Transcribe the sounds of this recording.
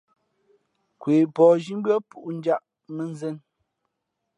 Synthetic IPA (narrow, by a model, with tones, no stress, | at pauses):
kweː˨pɔ˨ʒi˦m˦bɰɔ˦pu˨ʔn̩˦d͡ʒa˦ʔ | me˦˨n˦zɛ˦˨n